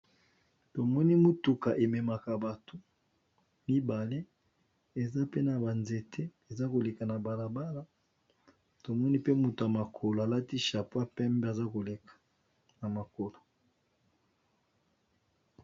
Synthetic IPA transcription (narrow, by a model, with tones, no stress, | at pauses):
to˨mɔ˦ni˦mu˦tu˨ka˨ʔe˨me˨ma˨ka˨ba˨to˦ | mi˦ba˨le˦ | e˨za˦pe˦na˨ba˨nze˨tʰe˦e˨za˦ko˨le˨ka˨na˨ba˨la˨ba˦la˦ | to˨mɔ˦ni˦pe˦mu˨to˨a˨ma˨kʰo˨lo˨a˨la˦ti˦ʃa˨pwa˦pɛ˦mbe˦a˨za˦ko˨le˨kḁ˨ | na˨ma˨ko˨lo˨